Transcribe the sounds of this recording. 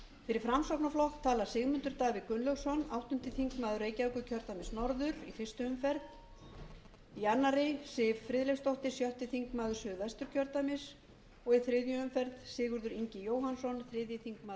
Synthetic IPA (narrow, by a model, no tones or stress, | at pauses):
fɪɾɪɾ̥fɾamsɔwkpnaflɔhxt̪ʰːaːlḁsɪɣmʏnt̪ʏɾ̥t̪aːvɪkʏnlœwɣsɔnawht̪ʏnt̪ɪθiŋkmaːðʏɾeːjcaœwkʏcʰœɾt̪amɪsnɔɾðʏɾ̥ifɪ̥st̪ʏʏmfɛɾð | ianːaɾɪsɪːvfɾɪːðlejfst̪ɔht̪ɪsjœht̪ɪθiŋkmaːðʏɾ̥sʏːðvast̪ʏɾ̥cʰœɾt̪amɪs | ɔɣiθɾɪðjʏʏmfɛɾðsɪːɣʏɾðʏɾiɲcɪjoːwɦansɔnθɾɪðjɪθiŋkmaː